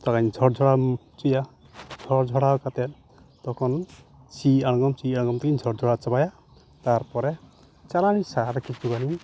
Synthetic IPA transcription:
t̪ɔkaɲd͡ʒʱɔɽd͡ʒʱɔɽat͡ʃuja | d͡ʒʱɔɾd͡ʒʱɔɽawkat̪ɛt̚ | t̪ɔkʰɔn | t͡ʃiãɔŋɡɔmt͡ʃiaɽ̃ɔɡɔmt̪ɛkiɲd͡ʒʱɔɽd͡ʒʱɔɽat͡ʃabaja | t̪aɾpɔɾɛ | t͡ʃalanisaɾkit͡ʃuɡani

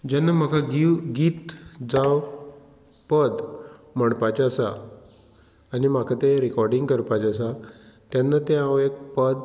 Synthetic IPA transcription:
d͡ʑanːam̤akʰaɡiɡiːt̪d͡zaw | pəd̪məɽpat͡ɕasa | nimakʰat̪eɾikɔɾɖiŋɡkəɾpat͡ɕasat̪janːat̪eãʋek̚pəd̪

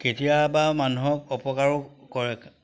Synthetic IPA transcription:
ketijabamanuɦɔk̚ɔpɔkaɹɔkɔɹɛk

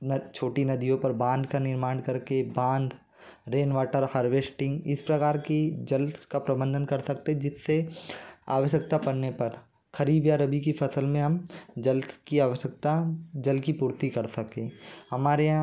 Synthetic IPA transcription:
t͡ʃʰoːʈinɐd̪ijõpɐɾbãːnd̪ʱkanɪɾmaːɳkɐɾkebãːnd̪ʱ | ɾeːnʋaːʈəɾhɐɾʋeːsʈɪ̃ŋɡɪspɾɐkaːɾkid͡ʒɐlkapɾɐbə̃nd̪ʱənkɐɾsɐkt̪ẽd͡ʒɪsːe | a̰ːʋəʃjək̚t̪apɐɽnepɐɾ | xɐɾiːbjaɾɐbik̬ifʰɐsəlmẽɦɐmd͡ʒəlkiaːʋəʃjək̚t̪ad͡ʒɐlkipuːɾt̪ikɐɾsɐkẽːhɐmaːɾeã

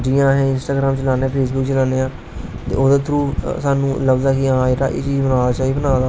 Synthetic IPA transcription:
d͡ʒiːãːɦɛ̃ːɪnsʈaːɡɾaːmt͡ʃəlaːneãːpʰeːsbʊk̚t͡ʃəlaːneːãː | t̪ḛːʔoːd̪aːt̪ʰɾuːsaːnũːləbd̪aːkɪãːeːɾa̰ːʔḛːt͡ʃiːd͡ʒbənaːat͡ʃaːiːbənaːd̪aː

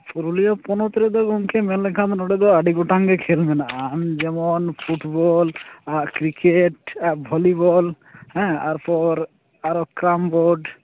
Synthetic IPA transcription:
puɾuliopɔnot̪ɾed̪ɔɡɔŋkemelekʰãt̪nɔɽed̪ɔoaɖiɡoʈaŋɡekʰelbenaamd͡ʒɛmonfʰuʈbɔlakɾikeʈbʱɔlibɔl | hɛa̰ɾpɔɾ | aɾokɾamboɾɖ

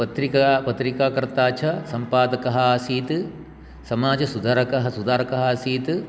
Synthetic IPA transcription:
ɐt̪ɾikapɐt̪ɾikaːkɐɾt̪aːt͡ʃʰɐsɐmpaːd̪ɐkɐɦɐaːsiːt̪ | sɐmaːd͡ʒɐsud̪ɐɾɐkɐɦɐsud̪aːɾɐkɐɦɐːsiːt̪

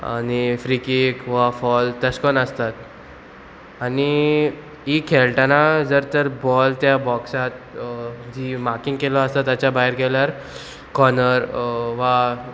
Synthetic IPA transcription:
a̰ñifɾikikʋafɔlt̪əskɔnəst̪at̪ | ani | ikʰelʈanad͡zəɾt̪əɾbɔlt̪jabɔksat̪ | d͡ʑimakĩŋɡkelɔəst̪at̪ːat͡ɕabaɦiɾkɛljaɾ | kɔnəɾʋa

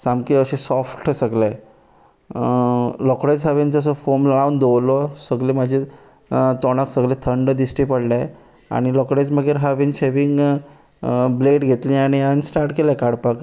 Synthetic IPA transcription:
samkiəɕesɔfʈsəɡle | lɔkɽed͡zɦəʋind͡zəs̬əfomawnd̪owlɔsəɡlemad͡ʑʱe | t̪ɔɽ̃aksəɡlẽt̪ʰəɳɖd̪isʈipəɽla | a̰ɽ̃ilɔkɽed͡zməɡeɾɦaʋinɕeʋiŋɡ | bleʈɡʱet̪lĩaɽ̃iansʈaɾʈkelakaɽpak

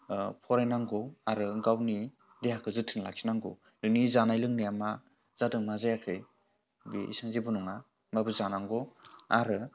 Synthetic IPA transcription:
pʰɔɾajnaŋɡɔaɾɯɡawni | dejakʰɯzɯtʰɯnla̰k̚sʰi̥naŋɡɔ | lɯnizanajlɯŋnijama | zadɯŋmazajakʰɯj | bḭḭsaŋzibɔnɔŋa | mabɯzanaŋɡɔaɾɯ

